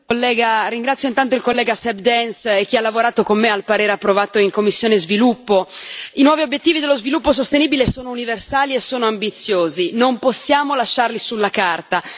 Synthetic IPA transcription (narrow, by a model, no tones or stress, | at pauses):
kolːɛːɡaɾiŋɡɾat̪sːjoint̪ant̪̬oilkolːɛːɡasɛbd̪ɛnsek̟ːialːavoɾaːt̪okomːealpaɾeːɾeapːɾovaːt̪oiŋkomːisːjoːnezvilupːoinwɔːviobjet̪ːiːvid̪elːozvilupːos̬ost̪eniːbilesoːnouniversaːliesːoːnoambit̪sːjoːzinomposːjaːmolaʃːarlisulːakart̪a